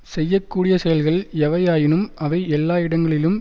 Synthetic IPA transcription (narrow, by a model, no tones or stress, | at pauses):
sɛjːɐkːuːɽɪjɐsɛjɐlɣɐɭɛʋɐjaːjɪnɯmɐʋɐɪɛlːaːɪɽɐŋɡɐɭɪlɯm